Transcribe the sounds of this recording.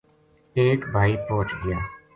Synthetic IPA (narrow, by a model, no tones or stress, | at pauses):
eːkbʱaːipõːt͡ʃɡɪjaː